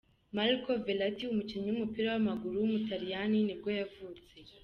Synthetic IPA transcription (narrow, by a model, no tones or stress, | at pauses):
malkovelatiumukiɲiwumupiɾawamaɡuɾuwumutaɾijaninibɡojavuːt͡se̞